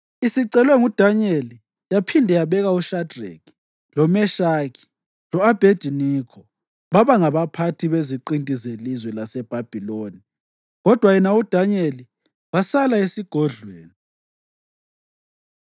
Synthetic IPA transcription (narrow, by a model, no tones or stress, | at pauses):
isiǀɛlwɛŋud̥ʱaɲeli | japʰindʱɛjaβɛɣauʃadʱrḛkʰi̥ | lɔmɛʃaːkʰi̥ | lɔab̥ʱedʒ̥ʱinikʰɔ | βaβaŋaβapʰatʰiβeziǃintʼizelizwɛlasɛb̥ʱab̥ʱiloni | ɣɔd̥ʱwajɛnaud̥ʱaɲeli | wasalaesiɡ̥ʱɔɮweːni